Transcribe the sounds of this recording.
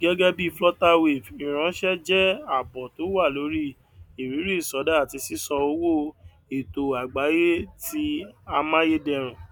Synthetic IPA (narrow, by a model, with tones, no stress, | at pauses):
ɡɛ˦ɡɛ˦bi˦˧flɔ˦ta˦we˨vĩ˨ɾ̃ã˨˦ʃɛ˦d͡ʒɛ˦a˨bɔ˨to˨˦wa˦˨lo˨˦ɾi˦ | i˨ɾĩ˨˦ɾi˦i˦˨sɔ˨˦da˦a˨ti˧si˦sɔ˧o˧˦wo˦˨ | e˨to˨a˨ɡ͡ba˨˦je˦ti˦˧a˧mã˦je˦dɛ˧˨ɾ̃ã˨